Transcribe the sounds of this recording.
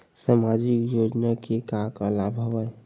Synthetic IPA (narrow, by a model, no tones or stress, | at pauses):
samad͡ʒikjod͡ʒnakekakəlabʱəbəj